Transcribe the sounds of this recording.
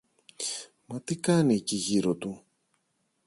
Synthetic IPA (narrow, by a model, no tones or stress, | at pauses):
mɐt̪ikɐnieciʝiɾot̪u